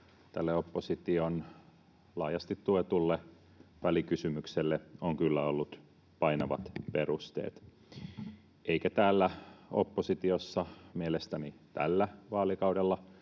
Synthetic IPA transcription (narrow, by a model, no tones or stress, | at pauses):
t̪ælːeopːosit̪ion | lɑːjɑst̪it̪t̪uet̪ulːe | ʋælikysymykselːeoŋkylːæolːut̪ | pɑinɑʋɑ̰t̪perust̪ḛːt̪ | eikæt̪æːlːæo̰pːosit̪iosːɑmielest̪ænit̪ælːæʋɑːlikɑuwdelːɑ